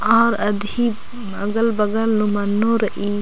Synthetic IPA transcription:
aɾɐd̪i | ɐ̰ɡɐlbɐɡɐlnumɐnːoɾɐʔi

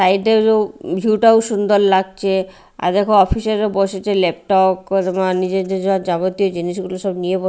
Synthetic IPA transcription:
sajʈeɾod͡ʑʱiwʈaoʃund̪oɾlaɡ̚t͡ɕʰe | a̰ɾd̪ekʰoɔpiseɾoboʃet͡ɕʰelep̚ʈɔkd̪manid͡ʑed̪ed͡ʑɔd͡ʑaɡot̪iod͡ʑiniʃ̬ɡuloʃɔbniebo

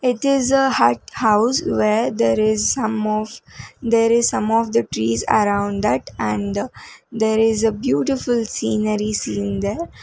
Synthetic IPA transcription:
ɪʈɪzəhaʈ̚haʊsʋeɾd̪eːɾɪzʌ̃mɔʋd̪eːɾɪzsʌ̃mɔʋd̪əʈɾiːzə̰ɾãʊ̃ɳɖd̪æʈæ̃ɳd̪eːɾɪzəbjuːʈɪfʊlsĩːnəɾisĩːnd̪eːɾ

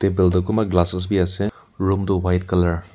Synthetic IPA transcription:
tebɛldɔkumaɡlasɔs̬biasɛ | ɹumdɔwajtkalaɹ

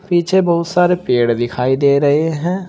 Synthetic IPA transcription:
piːt͡ʃʰeːbɔːʊt̪saːɾeːpeːɽd̪ɪkʰaːid̪eːɾəɦeɦɛ̃ː

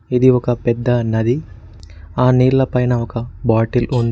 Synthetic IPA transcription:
id̪iɔkɐpɛd̪ːɐnɐd̪i | aːniːɾlɐpɐjnɐɔkɐbaːʈilund̪

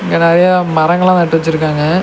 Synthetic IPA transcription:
ɪŋɡɐnɐɾɐjɐmɐɾɐŋɡɐɭãːnɐʈːɯʋɐt͡ɕːɯɾɯkːaːŋɡɐ

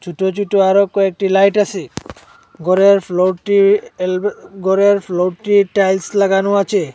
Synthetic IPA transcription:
d͡ʒuʈot͡ʃuʈoaɾokːoek̚ʈilajʈasʰe | ɡɔɾeɾpʰloʈilɡɔɾeɾpʰloʈiʈajlslaɡanoat͡ʃʰe

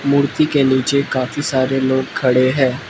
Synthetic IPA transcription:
muːɾt̪ikeniːt͡ʃekaːfisaːɾeloːɡ̚kʰːɐɽeɦɛ̃ː

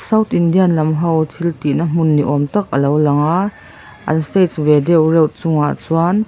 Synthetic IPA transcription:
sɐwt̪ʰʔindianlɐmɦɔwt̪ʰilt̪inəm̥ʊnːiʔɔmt̪ak̚ʔəlowlɐŋaʔ | ʔɐ̰nst̪et̪̚vɛdɛwrɛwʔt͡sʊŋaʔt͡suan

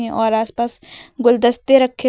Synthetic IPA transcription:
ɛ̃ʔɔːɾaːspaːsɡʊld̪əst̪eɾɐkʰːe

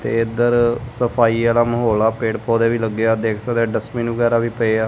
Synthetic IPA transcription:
t̪ḛːɪd̪əɾsəpʰaːiːaːlaːməɦoːlaːpeːʈpʰoːd̪eːʋiːləɡːeaːd̪eːkʰsad̪eːɖəsmĩːnʋəɡɛːɾaːʋiːpəeaː

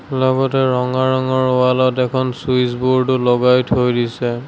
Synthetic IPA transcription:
lɔɡɔtɛɹɔŋaɹɔŋɔɹowalɔtɛkʰɔnsuisbuɹtʊlɔɡajtʰojdisɛ

